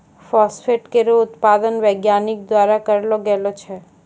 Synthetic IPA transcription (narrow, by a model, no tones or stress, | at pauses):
fɔsfeʈkeɾoʊt̪pad̪ənʋəɡjanik̚d̪ʋaɾakəɾeloɡɛlot͡ʃʰe